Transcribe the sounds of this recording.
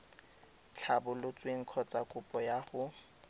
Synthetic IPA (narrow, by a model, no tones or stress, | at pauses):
t͡ɬʰabʊlʊt͡sʼweŋ̩kʰɔt͡sʼakʼʊpʼɔjaχʊ